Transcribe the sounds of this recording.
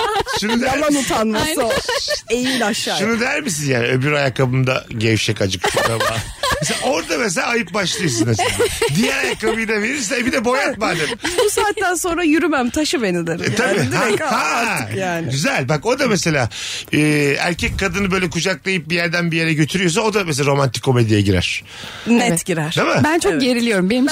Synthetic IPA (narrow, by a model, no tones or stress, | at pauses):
ʃunud̪æanut̪ʰanmasaejilaʃːaːʃunud̪æɾmis̬injaːniøbyɾajakabɯmd̪a̰ɟɛvʃɛkad͡ʒɯkʃud̪aba | mes̬elao̞ɾd̪ames̬elʲaːjɯp̚baʃlˠɯjɯsɯnɯzd̪ijæɾajakabɯjd̪aveɾiɾsɛbid̪ɛbo̞jat̪mad̪ɯmbusaːt̪ːænso̞nɾajyɾymæmt̪ʰaʃɯbenilˠɪɾt̪ʰabihajaːnɟyzælʲbako̞d̪amese̞lʲaːɯːæ̰ɾcʰɛcʲkʰːad̪ɯnɯbø̞jlʲɛkud͡ʒak̚lˠajɯp̚bijæɾd̪ænbije̞ɾɛɟøt̪ʰyɾyjo̞s̬ao̞d̪ames̬elaɾo̞mant̪i̥ckʰːo̞me̞d̪ijɛɟiɾæ̰ɾ̥ | nɛt̪ɟiɾæɾ̥ʰamɯbænt͡ʃʰo̞k̚ɟe̞ɾilʲijo̞ɾumbenim